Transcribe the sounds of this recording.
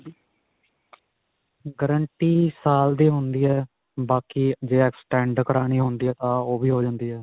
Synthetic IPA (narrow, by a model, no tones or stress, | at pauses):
ɡəɾəɳʈiːsaːld̪iːɦʊnd̪iːɛː | baːkiːd͡ʒeːɛksʈɛ̃ːɳɖkəɾaːniːɦʊ̃nd̪iːɛːt̪ãːoːbiːɦoːd͡ʒãːnd̪iːɦɛː